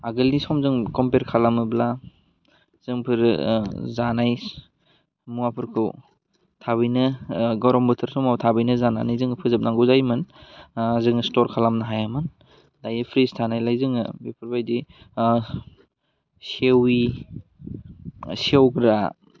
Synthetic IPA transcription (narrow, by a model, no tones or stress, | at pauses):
aɡɯlnisɔmzɯŋkɔmpeɾkʰalamɯbla | z̥ɯŋpʰɯɾzanaj | muapʰɯɾkʰɯw | tʰaβɯjnɯɡɔwɾɔmbɯtʰɯɾsɔmawtʰabɯjnɯzana̰najzɯŋpʰɯzɯp̚naŋɡɯzajmɯn | zɯŋstɔɾkʰalamnaɦajamɯn | dajɯpʰɾistʰanajlajzɯŋɯ̰bipʰɯɾbajdi | sewi | sewɡɾa̰